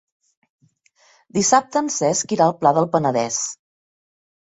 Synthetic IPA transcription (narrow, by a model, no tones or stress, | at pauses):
d̪isap̚t̪əːnsɛskiɾaəlˠplaðəlˠpənəðɛs